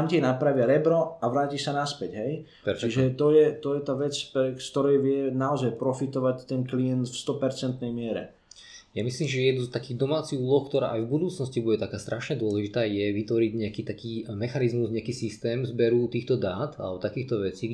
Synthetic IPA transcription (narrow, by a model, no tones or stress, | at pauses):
amcɛɛnapɾaʋɪaɾɛbɾɔaʋɾaːcisanaspɛɟɦɛj | pɛɾt͡ʃiʒɛt̪ɔjɛt̪ɔjɛt̪aːʋɛt͡spɾɛst̪ɔɾɛjʋɪɛnaɔzajpɾɔfit̪ɔʋact̪ɛnklijɛnt̪fst̪ɔpɛɾt͡sɛnt̪nɛjmɪɛɾɛ̰ | jamisliːmʒɛjɛd̪nust̪akiːd̪ɔmaːt͡siɣuːlɔxkt̪ɔɾa̰ːʔajvbud̪uːt͡snɔscibuɟɛt̪akaːst̪ɾʔaʃɲɛd̪ʊɔlɛʒit̪aːjɛʋit̪ʋɔɾiɟɲɛakiːt̪akiːmɛxanizmuzɲɛakiːsist̪ɛːmzbɛɾuːt̪iːxt̪ɔd̪aːt̪a̰lɛbɔt̪akiːxt̪ɔʋɛt͡siː